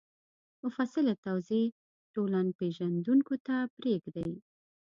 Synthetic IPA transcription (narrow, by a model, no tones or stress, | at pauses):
mʊfasɪlat̪awze | ʈolanpeʒand̪uŋkot̪apɾeɡd̪aj